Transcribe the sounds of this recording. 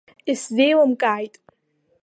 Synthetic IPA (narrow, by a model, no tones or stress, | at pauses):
iszejwamkʼaːjtʼ